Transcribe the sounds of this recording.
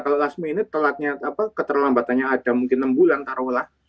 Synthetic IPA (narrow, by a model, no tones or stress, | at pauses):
kalolasmiːnit̪əlat̪̚ɲaapakət̪ərlambat̪anɲaːdamuŋkɪnːəmbulant̪aɾowlah